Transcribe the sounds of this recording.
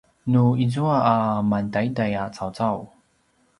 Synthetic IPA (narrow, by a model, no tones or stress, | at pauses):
nuizuaʔːmantajidajat͡sawt͡saw